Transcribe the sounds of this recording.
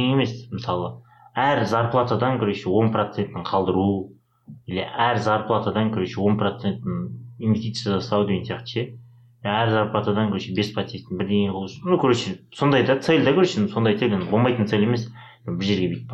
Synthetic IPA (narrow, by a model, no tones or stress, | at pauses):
eme̞smɪsɑlˠə | æɾzɑɾplˠat̪ad̪ɑŋkʲʰɵɾeʃewo̞nprot̪se̞nt̪ːɪɴqʰɑlˠd̪əɾu | eleʔæɾzɑɾplˠat̪ad̪ɑŋkʲʰɵɾeʃewo̞nprot̪se̞nt̪ːɪɴinvʲest̪it̪sjad̪st̪ɑwd̪eɡensijɑqt̪ʃe | æɾzɑɾplˠat̪ad̪ɑŋkʰʲɵɾeʃebe̞sprot̪sest̪ɪnbɪɾd̪ejeqʰolˠuʃnukʲʰɵɾeʃeso̞nd̪ɑjd̪ɑt̪se̞lʲd̪ɑkʲʰɵɾeʃɪnso̞nd̪ɑjt̪elʲenbo̞lˠmɑjt̪ənt̪sele̞mes | bɪɾʒe̞ɾɡʲebet̪̚p